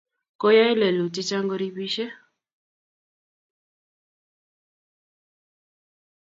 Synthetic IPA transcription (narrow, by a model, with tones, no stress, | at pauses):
kɔ˦ja˦i˦lɛ˨lu˨ti˦t͡ʃa˦ŋɡɔ˦ɾi˦βi˦ʃɛ˦